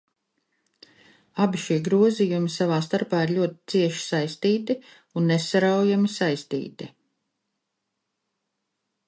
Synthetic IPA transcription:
abiʃiɛɡɾuɔzijumisavaːst̪aɾpaːiɾʎʲuɔt̪i̥t̪siɛʃi̥sajst̪iːt̪i | unːesaɾawjamisajst̪ḭːt̪i

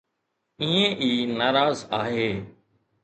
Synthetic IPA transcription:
ĩːẽːʔiːnaːɾaːzaːɦeː

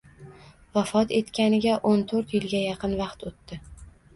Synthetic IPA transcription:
vafɒt̪ʰe̞t̪kʲanɪɡʲaʔont̪ʰoɾt̪jɪlɡʲajɑqʰɨnvɑqt̪ʰot̪ːɪ

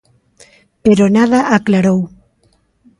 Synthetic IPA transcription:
peɾonaðaʔaklaɾow

